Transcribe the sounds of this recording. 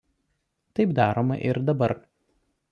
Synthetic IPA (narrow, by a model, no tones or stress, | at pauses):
t̪ɐɪpd̪ɑːɾoːmɐ̰ʔɪɾd̪ɐbɐɾ